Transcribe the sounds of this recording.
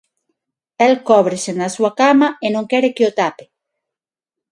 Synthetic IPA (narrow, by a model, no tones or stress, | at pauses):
elkoβɾesenasuakamaenõŋkeɾekeot̪ape̥